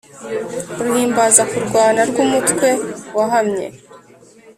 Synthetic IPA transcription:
ɾuhiːmbazakuɾɡwaːnaɾɡuːmutkwe̞waɦamɲḛ

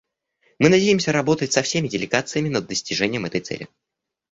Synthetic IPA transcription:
mɨnɐdʲejɪmsʲəɾɐbo̞t̪ətʲsɐfsʲemʲɪdʲɪlʲɪɡat̪sɨjəmʲɪnəd̪ːəsʲtʲɪʐɛnʲɪjəmɛt̪əjt̪sɛ̰lʲɪ̰

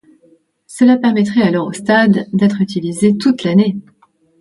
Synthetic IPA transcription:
səlapɛʁmɛt̪χɛalɔʁost̪ad̪ːɛt̪χyt̪ilizet̪ut̪lane

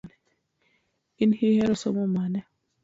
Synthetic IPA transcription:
n | inhihɛɾɔsɔmɔmanɛ

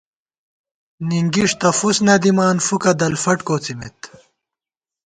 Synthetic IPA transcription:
niŋɡiʂt̪ɐfusnɐd̪imaːnfukɐd̪ɐlfɐʈkoːt͡simet̪

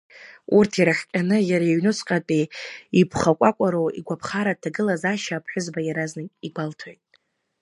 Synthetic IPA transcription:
urtʰiɾaχʲkʲʼanɨjaɾaiɥnɨsʰʼqʼatʼeipʰχakʷʼakʷʼaɾoḭɡʷapʰχaɾatʰaɡɨlazaʃaːpʰħʷᶣʊzbajaɾaznɨkʲiɡʷaltʰojtʼ

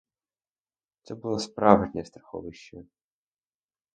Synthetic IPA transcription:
t̪sɛbulˠɔspɾɑʋʒnʲɛst̪ɾɐxɔ̰ʋɪʃt͡ʃɐ

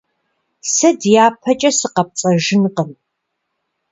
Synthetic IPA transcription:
sɐdjaːpʰɐt͡ʃʼɐsɨqɐp̚t͡sʼɐʒɪnqəm

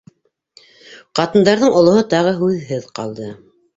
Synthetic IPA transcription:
qɑt̪ɤ̆nd̪ɑɾðɤɴŏlˠŏhɤt̪ɑʁɤɦʉðɦɘðqɑ̰lˠd̪ɤ

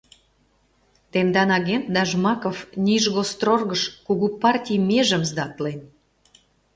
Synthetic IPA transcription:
t̪end̪ɑnɑɣent̪̚d̪ɑʒmɑkofnʲiʒɣost̪rorɣəʃkuɣupɑrtʲijmeʒə̆mzd̪ɑt̪len

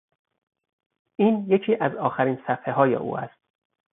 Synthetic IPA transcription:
ʔiːnjecʰiːʔæzɒːxæɾiːnsæfeɦɒːjḛʔṵːʔæ̰st̪

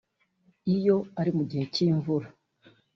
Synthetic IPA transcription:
ijo̞aɾimuɟihe̞ciːɱvuɾa

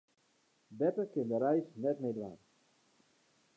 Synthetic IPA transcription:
bɛtəkɪndəɾɛjsnɛtmejdʋa̰ːn

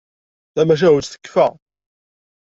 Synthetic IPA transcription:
θæmæʃ̬æɦud̪θə̥kːfæ

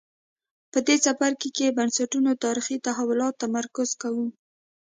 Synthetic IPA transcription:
pəd̪esafaɾkekebansaʈunot̪ɑɾixit̪aɦawʊlɑt̪ːamaɾkʊz̥kawu

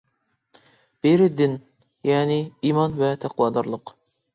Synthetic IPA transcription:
b̥eɾɪd̪ɪn | jɛːnɪimɑnvɛt̪ʰæqwɑːd̪ɑɾlˠəq

